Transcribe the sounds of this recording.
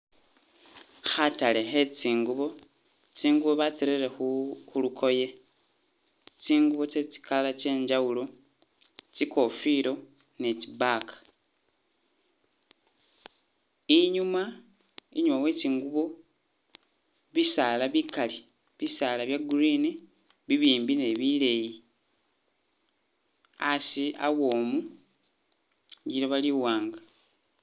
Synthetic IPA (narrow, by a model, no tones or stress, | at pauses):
xatale̞xe̞t͡siːŋɡuβo̞ | t͡siːŋɡuβo̞βat͡siɾeɾexuxulukʰo̞je̞ | t͡siːŋɡuβo̞t͡se̞t͡si̥kalat͡ʃe̞ːɲd͡ʒawulo̞ | t͡ʃiko̞fiɾo̞ | net͡ʃibakḁ | iɲuma | ḭɲumawe̞ciŋɡuβo̞ | βisaːlaβikali | βisaːlaβjaɡuɾiːni | βiβiːmbine̞βile̞ji | asia̰wo̞ːmu | ɟiɾoβaliwaːŋɡa